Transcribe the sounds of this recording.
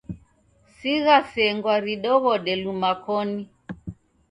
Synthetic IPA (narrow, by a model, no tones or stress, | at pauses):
siɣasɛŋɡwaɾiɗɔɣɔɗɛlumakɔni